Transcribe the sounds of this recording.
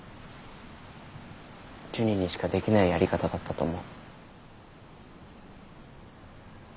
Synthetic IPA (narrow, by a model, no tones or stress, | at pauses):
t͡ɕɨɲ̟ʲiɲ̟iɕi̥kad̪e̞kʲinaijaɾʲikat̪ad̪at̪ːat̪o̞mo